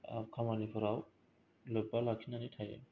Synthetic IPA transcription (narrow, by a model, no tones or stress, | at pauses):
a̰kʰamanipʰɔɾaw | loj̚balakʰinanitʰajɛ̰